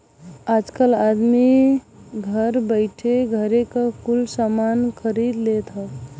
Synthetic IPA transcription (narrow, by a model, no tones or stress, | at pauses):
aːd͡ʒkəlad̪mi | ɡʱəɾbəɪʈʰeɡʱəɾekakulsamankʰəɾid̪let̪ɦa